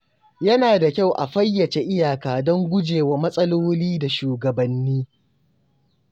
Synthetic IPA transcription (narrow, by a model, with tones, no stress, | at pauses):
jɐ˦naː˨da˨kʲa˦˨wʔa̰˨ɸɐ˦jːɐ˨t͡ʃe˨˦ʔɪ˦jaː˨kaː˨dɔ˦ŋɡʷʊ˦d͡ʒeː˨wa˨mɐ˦sʼɐ˦loː˦liː˦da˨ʃuː˨ɡɐ˨bɐ˨nːiː˦